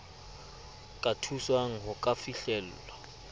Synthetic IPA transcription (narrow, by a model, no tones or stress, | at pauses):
kʼatʰuswaŋ̩ɦʊkʼafiɬɛl̩ːlwa